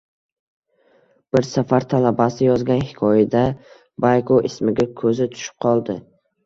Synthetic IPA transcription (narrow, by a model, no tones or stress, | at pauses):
b̥ɪɾsafaɾt̪ʰalabasɪjɒzɡʲanhɪ̥kʰɒjad̪a | bajkʰoʔɪsmɪɡʲakʰɵzɪt̪ʰʊ̥ʃɪ̥p̚qʰɒlˠd̪ɪ